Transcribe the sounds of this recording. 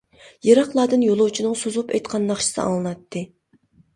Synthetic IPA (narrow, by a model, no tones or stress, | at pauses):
jeɾɑχlˠɑːd̪ɨnjolˠowt͡ʃʰinɨŋsozupɛ̰jt̪qʰɑnːɑχʃi̥sɨ̰ɑ̰ŋlˠɨnɑt̪ʰːɨ